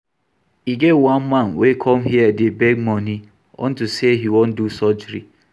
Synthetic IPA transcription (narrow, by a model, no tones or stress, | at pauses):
iɡewanmãnwekʰɔmɦiadɪbeɡ̚mɔni | ɔ̰n̩tuseɦiwõn̩dusɔd͡ʒɾḭ